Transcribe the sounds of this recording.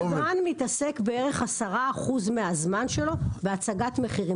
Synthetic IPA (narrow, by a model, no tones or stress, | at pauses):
manmitase̞kbee̞ʁe̞χasaʁaːχuzmeazmanʃe̞lo̞be̞at͡saɡatme̞χiʁi